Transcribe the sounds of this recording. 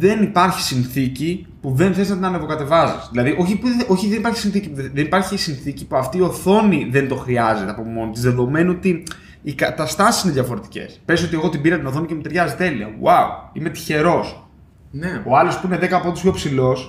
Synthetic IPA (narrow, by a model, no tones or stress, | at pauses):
ðe̞nipɐɾçi̥sinθici | puðenθe̞znɐt̪inɐnevokɐt̪e̞vɐzisðilɐðiʔo̞çipuʔo̞çiðenipɐɾçi̥sinθicipuððenipɐɾçisinθicipuɐft̪iːo̞θo̞niðend̪o̞xɾiɐze̞t̪eɐpo̞pmo̞not̪izðe̞ðo̞me̞not̪iː | kɐt̪ɐst̪ɐsi̥sineðjʝɐfo̞ɾe̞t̪i̥ce̞̰spe̞zio̞t̪ie̞ɣot̪ibiɾɐt̪inoθo̞nicemut̪eɾʝɐzit̪e̞liɐ̰waṵime̞t̪i̥çe̞ɾo̞s | neo̞ɐlo̞spuineðe̞kɐːpot̪ospço̞psilo̞s